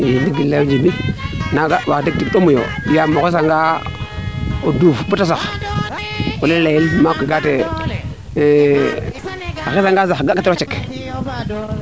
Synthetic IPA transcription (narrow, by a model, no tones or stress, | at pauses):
jindiɡilːed͡ʒibinaɡawatek̚tidomujo̰jamokis̬aŋɡa | odufbutasax | olellejilmakʷiɡate | axisaŋɡazaɡakatot͡ʃek